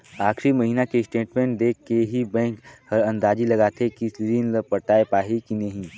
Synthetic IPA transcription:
aːxɾimɐɦiːnakesʈeːʈmẽɳʈ̚d̪eːkʰːeɦibɛ̃ːŋkhɐɾɐ̃nd̪aːd͡ʒilɐɡaːt̪ʰekisɾiːnlɐpɐɾt̪aːepaːɦekinɐɦĩː

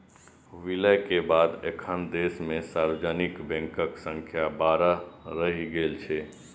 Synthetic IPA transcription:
ʋiləjkebad̪ḛkʰənd̪esmesaɾʋəd͡ʒənikbɛ̃ŋkəksə̃ŋkʰjabaɾəɾəɦiɡelt͡ʃʰɛ

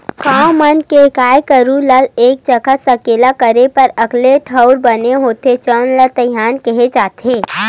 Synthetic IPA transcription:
kãːmənkekaːjkəɾuləleːk̚t͡ʃəkʰəsəkeːlakəɾepɐɾəkleʈʰəʊɾbəneɦoːt̪et͡ʃənlət̪əjaːnkɛɦed͡ʒaːt̪eː

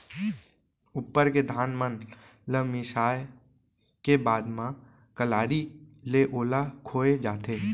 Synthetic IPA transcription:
upːəɾked̪ʱaːnmənləmɪsaːj | kebaːd̪mã | kəlaːɾileʔoːlakʰoːed͡ʒaːt̪eː

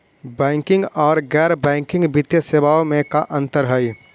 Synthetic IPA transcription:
bɛ̃ːŋkɪ̃ŋɡɔːɾɡɛːɾbɛ̃ːŋkɪ̃ŋɡbɪt̪jəsebaːomẽkaʔɐ̃nt̪əɾɦəj

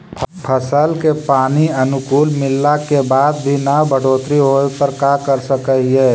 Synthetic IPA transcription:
pʰəsəlkepaːniɐnʊkuːlmɪlːakebaːd̪bʱinabʱəɽʱoːt̪ɾiɦoːepəɾkakəɾsəkəɦiɦɛː

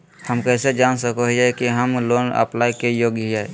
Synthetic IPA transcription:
həmkɛːsed͡ʒaːnsəkoɦd͡ʒaekiɦəmloːnə̰plaːjkejoːɡjɦae

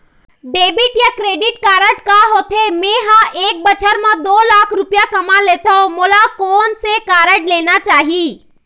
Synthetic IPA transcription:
ɖeːbɪʈjakɾeːɖɪʈkaːɾəʈkaɦoːt̪ʰemẽːɦãʔeːk̚bət͡ʃʰəɾmãd̪oːlaːkʰɾʊpjakɐmaleːt̪aõmoːlakɔːnsekaːɾəʈleːnat͡ʃaːɦi

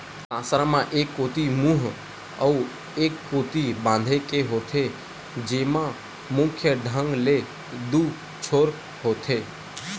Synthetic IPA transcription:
tãsɾãmãʔekːot̪imũɦ | əu | ekːot̪ibãːn̆d̪ʱekeɦot̪ʰe | d͡ʒemã | mʊ̃kʰjəɖʱə̃ŋɡle | d̪u | t͡ʃʰoːɾ | ɦot̪ʰe

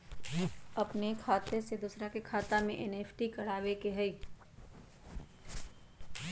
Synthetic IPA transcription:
ɐpnekʰaːt̪esed̪ʊsɾakekʰaːt̪amẽʔɛneːpʰʈikɐɽ̤aːʋekeɦɛiː

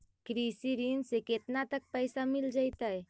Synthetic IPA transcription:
kɾisiɾinseket̪nat̪ək̚pəjsamild͡ʒajt̪əj

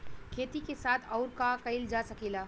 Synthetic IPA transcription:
kʰeːt̪ikesaːt̪ʰɔʊɾkakəɪld͡ʒasəkila

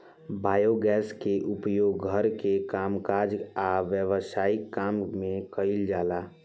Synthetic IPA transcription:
baːjoɡɛːskeʔʊpjoːɡɡʱəɾkekaːmkaːɾd͡ʒaʋjəʋəsaːɪkːaːmmẽkəɪld͡ʒaːlaː

